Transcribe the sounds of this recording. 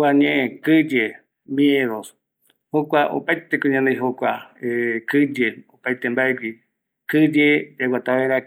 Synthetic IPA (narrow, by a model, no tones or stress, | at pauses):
aɲẽʔẽkɨd͡ʒe | mĩeɾos | hokʷaʔo̰pajt̪ekoɲãnd̪ejɦokʷaekɨd͡ʒeopajt̪embaeɡʷi | kɨd͡ʒed͡ʒawat̪aʋeɾa